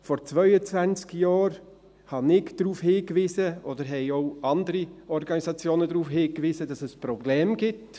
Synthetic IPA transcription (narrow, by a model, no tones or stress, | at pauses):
fɔɾt͡svœʏət͡svænt͡skjɑːɾ | hɑnɪɡd̥ɾuːfhiːkvɪzəʔodəɾɦɛɪoʊɑndəɾiɔɾɡɑnisɑt͡sjoːnədɾuːfɦiːkvizədɑsɛspɾɔblɛːmɡɪt